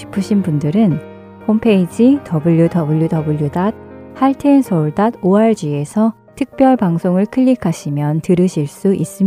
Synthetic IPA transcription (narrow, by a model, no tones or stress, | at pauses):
i̥pʰɯɕʰinbundɯɾɯn | hompʰe̞id͡ʑitʌbuʎːjudʌbuʎjudʌbuʎːjudad̚ | haɭtʰensʰʌuɭdad̚oaɭd͡ʑie̞sʰʌ | tʰɯk̚p͈jʌɭpaŋsʰoŋɯɭkʰɯʎːikʰaɕʰimjʌntɯɾɯɕʰiɭs͈uʔis͈ɯm